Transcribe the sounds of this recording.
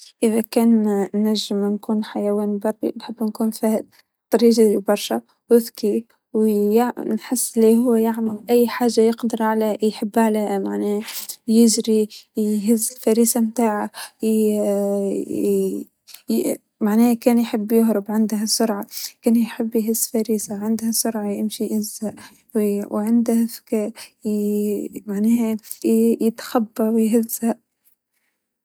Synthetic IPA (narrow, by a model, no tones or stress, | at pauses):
ʔɪðækæːnnːæʒːɪmnkuːnħajawæːnbɑɾˤḭnħɪbːnkuːnfæːhɪd̪̚ | t̪ˤːɑɾiːʒaibɑɾˤʃa | wɪðki | wjnħɪsːliɦʊwːjaʕmɪlʔæjːħaːʒːajɪqd̪ɪɾˤʕaleːjħɪbːʕaleːmaʕnɛːjɪʒɾiɦɪzːɪlfæɾiːsamt̪aːʕaj | maʕneːhkeːnjħɪbːjʊhɾɪbʕɪnd̪hasʊɾʕɑkaːnjħɪbːjɦɪzːfaɾiːsaʕɪnd̪hasʊɾʕɑjɪmʃiʔɪzhaʔ | wwʕɪnd̪hafḁkaː | maʕneːha | jɪt̪xabːawjɦɪzːhaʔ